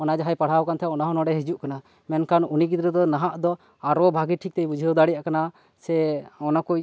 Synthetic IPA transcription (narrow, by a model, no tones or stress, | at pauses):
ɔnad͡ʒaɦajpaɽ̤awkant̪ʰɛɔnaɦɔnɔɖɛɦid͡ʒuʔkana | mɛnkanunik̬id̪ɾɛd̪ɔnaɦaʔd̪ɔ | aɾɔbʱaɡiʈʰik̚t̪ɛjbud͡ʒʱɔwd̪aɽijaʔkana | sɛɔnakuj